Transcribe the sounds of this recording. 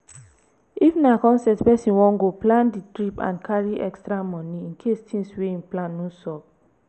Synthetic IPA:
ifnakɔ̃nsɛtpɛsĩnwɔ̃nɡoplãnditɹipã̰nkʰaɹiʔɛkstɾamɔ̃niĩnkʰestʰĩŋsweĩnplãnːũsɔp̚

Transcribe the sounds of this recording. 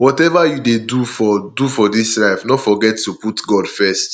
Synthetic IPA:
wɔtɛvajudedufɔdufɔdislaɪfnɔtfɔɡɛtːuputɡɔdfɛst

